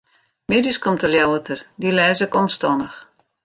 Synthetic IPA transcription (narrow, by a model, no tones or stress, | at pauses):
mɪdiskomtəljawətʰərdilɛːzəkɔmstɔnəx